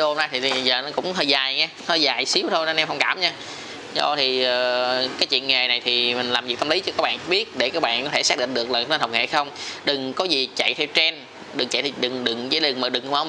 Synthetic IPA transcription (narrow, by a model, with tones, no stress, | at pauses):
o˧ho˧na˧jt̪ʰi˨˩i˨˩˨zəː˨˩nɔ˨˦kʊ̰˧˥ŋ͡mhəː˧˩jzaː˨˩jɲɛː˧həː˧˩jzaː˨˩jsi˨˦əwt̪ʰo˧jnɔ˧˦nɛ˧mhə˧wŋ͡mkaː˧˩mɲaː˧ | zɔ̰˧˩t̪ʰi˨˩əː˨˩kaː˨˦jt͡ɕwi˧˨ənŋe˨˩na˨˩jt̪ʰi˨˩mï˨˩ŋ̟laː˨˩mvi˨˩k̚t̪a˧mli˨˦t͡ɕɔ˧kaː˦˥k̚ɓaː˧˨˧ɓi˦˥ət̚ɗe˧˩kaː˦˥k̚ɓa̰ː˧˨nkɔ˨˦t̪ʰe˧˩saː˦˥k̚ɗḭ˧˨ŋ̟ɗɨ˨˩ək̚ləː˨˩˧nə˧nɦə˨˩k͡p̚ŋḛ˧˩˦xə˧wŋ͡mɗɨ˨˩ŋkɔ˨˦zi˨˩t͡ɕa̰˧˨jt̪ʰɛ˧wt͡ɕɛ˧n | ɗɨ˨˩ŋt͡ɕa̰˧˨jt̪ʰɛ˧˨˩ɗɨ˨˩ŋɗɨ˨˩ŋzəː˨˦lɨ˨˩ŋməː˨˩ɗɨ˨˩ŋ˧˦ma˨˦